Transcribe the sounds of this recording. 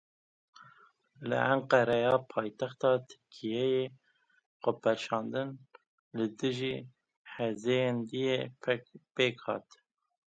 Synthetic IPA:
lɨ̰ʔæŋqɛɾɛjɑːpʰɑːjt̪æxt̪ɑːt̪ʰɨ̥ɾkʰijɛje | qopʰɛʃɑːnd̪ɨn | lɨd̪ɨʒiː | ħɛzejend̪ijepʰpeːkhɑ̰ːt̪

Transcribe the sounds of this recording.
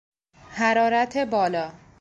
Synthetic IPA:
hæɾɒːɾæt̪ʰebɒːlɒː

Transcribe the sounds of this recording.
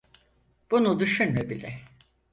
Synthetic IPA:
b̥unud̪yʃynmɛbilʲɛ

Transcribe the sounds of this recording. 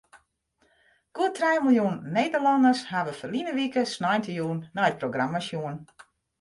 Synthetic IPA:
kuətʰrɛjmilˠjunnːeːdərlɑndəshaʋəfəlinəʋikəsnɔjntəjuːnːajət̚proɡramasjuən

